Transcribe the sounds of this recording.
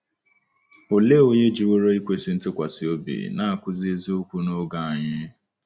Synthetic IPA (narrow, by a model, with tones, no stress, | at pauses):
o˨le˦o˨ɲe˦d͡ʒi˨wo˦ɾo˦i˦kʷe˦˨si˦n̩˦tɪ˦kʷa˨sɪ˨o˦bḭ˨na˦a˨kʷʊ˦zi˦e˦zi˦o˦kʷu˦no˦ɡa˦˨a˨ɲɪ˦